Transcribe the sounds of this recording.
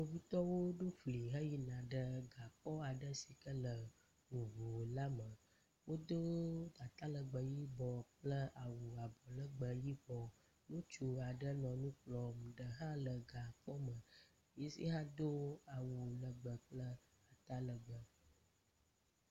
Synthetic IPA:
no˨vi˦t̪ɔ˦wo˦ɖo˦fli˨ɦə˦ji˦nã˨ɖə˦ɡa˨k͡pɔ˦a˨ɖə˦si˨kə˦lə˨ | ŋũ˨vu˨la˦mə˨ | wo˦d̪o˦ɡ̪a˨t̪a˦lə˨ɡ͡bə˨ji˦bɔ˨k͡plə˦ʔa˨wu˨a˨bɔ˨lə˦ɡ͡bə˨ji˦bɔ˨ | nõ˦t͡ʃu˨a˨ɖə˦nɔ̃˨nũ˦k͡plɔ˨m˨ɖə˨ɦã˦lə˨ɡa˨k͡pɔ˦mə̃˨ | je˦sḭ˦ɦã˦d̪o˦a˨wu˨lə˨ɡ͡bə˨k͡plə˦ | a˨t̪a˦lə˨ɡ͡bə˨

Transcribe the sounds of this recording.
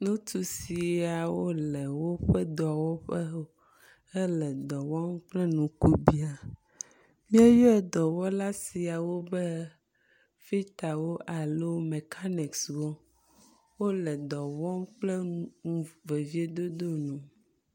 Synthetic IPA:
nũ˦t̪u˨si˨a˨wo˦lɛ˨wo˦ɸɛ˦d̪ɔ˨a˨wɔ˦ɸɛ˦ | ɛ˦lɛ˨d̪ɔ˨wɔ˦mk͡plɛ˦nũ˨ku˦bi˨a˨ | mĩ˦a˦jɔ˦ɛ˨d̪ɔ˨wɔ˦la˦si˨a˨wo˦bɛ˦ | fi˦t̪a˨wo˦ʔa˨lo˦me˨kʰa˦ni˨kswɔ˦ | wo˦lɛ˨d̪ɔ˨wɔ˦mk͡plɛ˦ũ˦ŋũ˨ve˨vi˦e˦d̪o˦d̪o˦nũ˨

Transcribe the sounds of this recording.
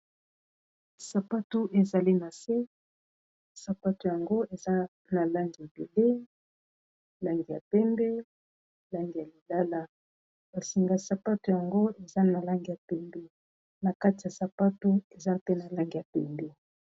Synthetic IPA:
sa˨pa˦tu˦ʔe˨za˨li˦na˨se˦ | sa˨pa˦tu˨ja˨ŋɡo˦e˨za˦ | na˨la˦ŋɡi˨ja˨be˨le˦ | la˦ŋɡi˨ja̰˨pɛ˦mbɛ˦ | la˦ŋɡi˨ja˨li˨la˦la˦ | ba˨si˨ŋɡa˨sa˨pa˦tu˨ja˨ŋɡo˦e˨za˦na˨la˦ŋɡi˨ja˨pɛ˦mbɛ˦ | na˨ka˦ti˨ja˨sa˨pa˦tu˦e˨za˦pe˦na˨la˦ŋɡi˨a˨pɛ˦mbɛ˦

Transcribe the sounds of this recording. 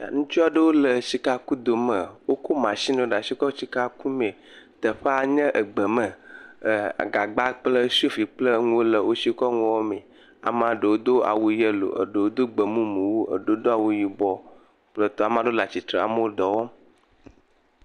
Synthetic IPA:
ja̰˨ŋũ˦t͡ʃu˦a˨ɖə˦wo˦lə˨si˨ka˦ku˦d̪o˨mə˨wo˦ko˦mã˨si˦nõ˨ɖa˨si˦kɔ˦si˦ka˦ku˦mẽ˨ | t̪ə˨ɸa˦˨ɲə̃˦ʔə˨ɡ͡bə˨mə˨ | a̰˨ɡa˨ɡ͡ba˦k͡plə˦si˦o˦fi˨k͡plə˦ŋũ˦wo˦lə˨wo˦si˦kɔ˦ŋũ˦wɔ˦me˨ | a̰˨m˦˨ã˨ɖə˨wo˦d̪o˦a̰˨wu˨jə˦lo̰˨ʔə̰˨ɖə˨wo˦d̪o˦ɡ͡bə˨mũ˦mu˨wu˦ʔə̰˨ɖo˦o˦d̪o˦a˨wu˨ji˨bɔ˨ | k͡plə˦˨t̪ɔ˦a˨m˦ã˨ɖo˦la˨t͡ɕi˨t̪ɾə˨a̰˨mə˦wo˦d̪ɔ˨wɔ˦

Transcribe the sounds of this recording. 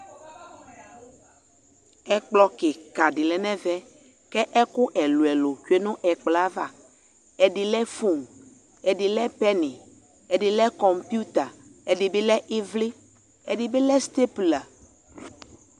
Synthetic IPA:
ɛ˨k͡plɔ˨ke˨ka˨ɖi˨lɛ˨nɛ̃˦vɛ˦ | kɛ˦ʔɛ˦kʊ˦ʔɛ˨lu˨ɛ˨lo˨t͡ʃu˦e˦nũ˦ʔɛ˨k͡pla˦va˦˨ | ɛ˨ɖi˨lɛ˦fu˦˨ŋ | ɛ˨ɖi˨lɛ˦pɛ˦nĩ˨ | ɛ˨ɖi˨lɛ˦kɔ˨mpju˦t̪a˨ɛ˨ɖi˨be˦lɛ˦ʔi˦vli˦ | ɛ˨ɖi˨be˦lɛ˦st̪e˦pla˨

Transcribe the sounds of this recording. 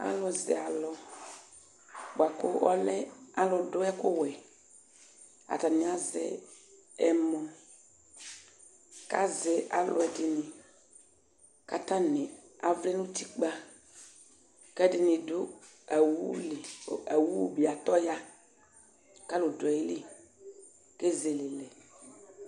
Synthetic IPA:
a̰˦lɔ˨zɛ̰˨a˨lɔ˨ | bʊ˨a˨kʊ˦ɔ˦lɛ˦a˨lɔ˨dʊ˦ɛ˦kʊ˦˨wɛ˨ | a̰˨ta˨nɪ˨a˨zɛ̰˦ | ɛ˨mɔ̃˨ | ka̰˦zɛ˨ʔa˨lʔʊ̰˨ɛ˨dɪ˨nɪ˨ | ka˨ta˦nɪ˨ | a˨vlɛ˦nʊ̃˦ti˦k͡pa˦ | kɛ˦dɪ˨nɪ̃˨dʊ˦˨ | wu˦lɪ˨ɛ˨wu˦˨bi˨a˨tɔ˦ja˦ | ka˦lʊ˨dʊ˨ɛ˨ji˦lɪ˦ | ke˦ze˨lɪ˨lɛ˨

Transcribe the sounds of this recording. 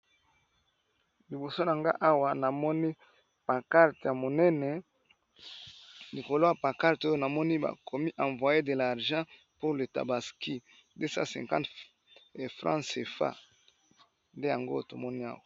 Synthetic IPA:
li˨bo˨so˦na˨ŋɡa̰˦ʔa˦wa˨na˨mɔ˦ni˦ | pã˨ka˦ʁta˨mo˨nɛ˦nɛ˨ | li˨ko˨lo˦ja˨pã˨ka˦ʁto˦jo˦na˨mɔ˦ni˦ba̰˨kʰɔ˨mi˦ʔã˨ɱvwa˨je˦de˨la˨ʁʒã˦ | po˦le˨ta̰˨ba˨ski˦ | nde˦sa̰˦sɛ̰̃˨kã˦nt | fʁã̰˦se˨fa̰˦˨ | nde˦ja˨ŋɡo̰˦to˨mɔ˦ni˦a̰˦wa˨

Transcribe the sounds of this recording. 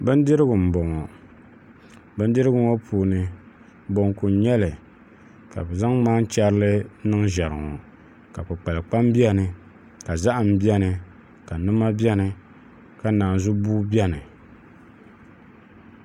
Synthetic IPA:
bɨ˦n˦dɨ˦ɾɨ˦ɡʊ˨m̩˨bɔ˨ŋɔ˨ | bɨ˦ndɨ˦ɾɨ˦ɡʊ˦ŋɔ˦pʰuː˨nɨ˨ | bo˨ŋ˨ku˨˦ɲɛ˦lɨ˨ | ka̰˨bɛ˨za˦ŋmaː˦n̩˦t͡ʃɛ˦ɾlɨ˦nɨ˦ŋ˦ʒɛ˨ɾɨ˨ŋɔ̰˨ | ka˨pɨ˨k͡pa˨lɨ˨k͡pa˦m˦bi˦ɛ˦nɨ˨ | ka˨za˦ʔa˨m̩˦bɛ˦nɨ˨ | ka˨nɨ˦ma˦bɛ˦nɨ˨ | ka˨naː˨n˨zu˦buː˦bi˦ɛ˦nɨ˨

